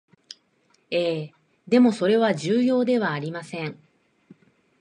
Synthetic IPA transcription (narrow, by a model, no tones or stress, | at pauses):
eː | d̪e̞mo̞so̞ɾe̞β̞aʑɨːjo̞ːd̪e̞βaːɾʲimasẽ̞ɴ